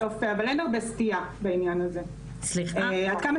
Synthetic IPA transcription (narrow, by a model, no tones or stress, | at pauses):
ofeavalenaʁbestiabainjanaze | sliad̪kama